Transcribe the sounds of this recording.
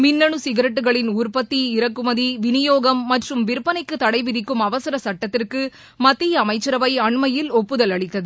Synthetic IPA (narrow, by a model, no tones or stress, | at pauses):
mɪnːɐɳɯsɪɣɐɾɐʈ̬ːɯɣɐɭɪnuːrpɐt̪ːiɪɾɐkːɯmɐðiʋɪnɪjoːɣɐmːɐʈrɯmʋɪɾɯpːɐnɐɪkːɯt̪ːɐɽɐɪʋɪðɪkːɯmɐʋɐsɐɾɐsɐʈːɐt̪ːɪrkɯ | mɐt̪ːijɐɐmɐɪt͡ʃːɐɾɐʋɐɪɐɳmɐjɪlɔpːɯðɐlɐɭɪt̪ːɐðɯ